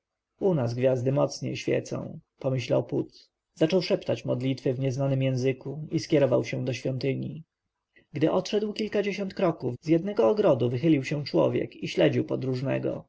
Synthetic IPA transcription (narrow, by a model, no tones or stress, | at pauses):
unazɡvʲjazd̪ɘmɔt̪sɲḛjɕfʲjɛ̰t̪sɔ̰̃w̃pɔmɘɕla̰wput̪ | zat͡ʂɔwʂɛpt̪at͡ɕmɔd̪lʲit̪fɘvɲɛznanɘmjɛ̃w̃zɘkuiskʲɛɾɔvawɕɛ̃d̪ɔɕfʲjɔnt̪ɘɲi | ɡd̪ɘʔɔt̪ʂɛd̪wkʲilkad͡ʑeɕɔnt̪kɾɔkuvzjɛd̪nɛɡɔːɡɾɔd̪uvɘxɘlʲiwɕɛ̃t͡ʂwɔ̰vʲjɛ̰kiɕlɛd͡ʑiwpɔd̪ɾuʐnɛ̰ɡɔ̰